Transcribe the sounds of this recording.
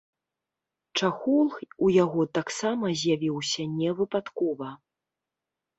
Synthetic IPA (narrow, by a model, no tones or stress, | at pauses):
t͡ʂaxulˠxujaɣɔt̪aksamɐzʲjavʲiwsʲɐnʲɛvɨpat̪kɔvɐ